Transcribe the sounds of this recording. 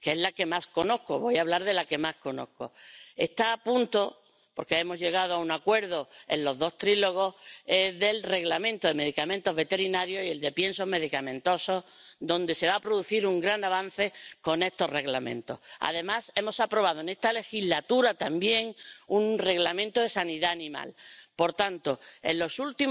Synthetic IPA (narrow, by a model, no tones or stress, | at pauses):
keezlake̞masko̞no̞hko̞βo̞jaβlaɾðe̞lake̞masko̞no̞̰hko̞̰ḛst̪aːpũnt̪o̞ | po̞ɾkeemo̞zʝe̞ɣ̞að̞oaunakwe̞ɾðoe̞̰nlo̞zðo̞st̪ɾilo̞ɣ̞o̞eðe̞lre̞ɣlamẽ̞nt̪oðeme̞ðikamẽnt̪o̞ɦβe̞t̪e̞ɾinaɾjo̞sie̞ld̪e̞pje̞nso̞ɦme̞ðikamẽ̞nt̪o̞so̞hd̪õ̞nd̪e̞se̞βaːpɾoðuθiɾuŋɡɾanaβ̞an̟θe̞ko̞ne̞st̪o̞re̞ɣlamẽ̞̰nt̪o̞ha̰ðe̞mase̞mo̞sapɾo̞β̞aðoene̞st̪ale̞xiɦlat̪uɾat̪ambje̞ŋunre̞ɣlamẽnt̪oðe̞saniðaːnĩma̰lpo̞ɾt̪ant̪o̞e̞̰nlo̞sult̪i